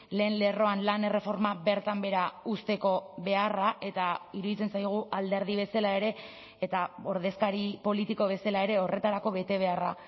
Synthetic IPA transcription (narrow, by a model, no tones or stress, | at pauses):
le̞ːnle̞ro̞anlane̞re̞fo̞ɾmabe̞ɾt̪ambe̞ɾaust̪e̞ko̞βe̞araʔe̞t̪aiɾuðit͡se̞nsajɣ̞uʔald̪e̞ɾð̞iβe̞salae̞ɾe̞ː | t̪ao̞ɾðe̞skaɾipo̞lit̪iko̞β̞e̞salae̞ɾe̞o̞re̞t̪aɾako̞βe̞t̪e̞β̞e̞ara